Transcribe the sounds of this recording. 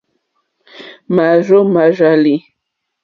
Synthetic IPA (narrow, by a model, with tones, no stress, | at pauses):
ma˨ʒo˦ma˨ʒa˨li˨